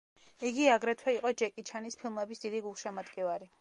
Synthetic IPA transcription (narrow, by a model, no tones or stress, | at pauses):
iɡiaɡɾɛt̪ʰwɛiqʼɔd͡ʒɛkʼit͡ʃʰanispʰilˠmɛbisd̪id̪iɡulˠʃamat̪kʼɛvaɾi